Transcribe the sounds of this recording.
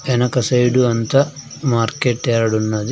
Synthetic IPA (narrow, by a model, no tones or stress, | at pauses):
ɛnɐkɐsɐjɖuɐnt̪ɐmaːɾkeʈːɛːɾɐɽunːɐd̪i